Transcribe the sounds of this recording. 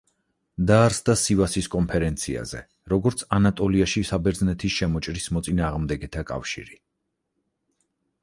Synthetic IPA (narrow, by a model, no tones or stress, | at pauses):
d̪aɾsd̪asivasiskʼɔmpʰɛɾɛnt̪sʰia̰zɛ̰ | ɾɔɡɔɾt̪sʰanat̪ʼɔliaʃisabɛɾd̪znɛt̪ʰisʃɛmɔt͡ʃʼɾismɔt̪sʼinaːʁmd̪ɛɡɛt̪ʰakʼa̰fʃḭɾi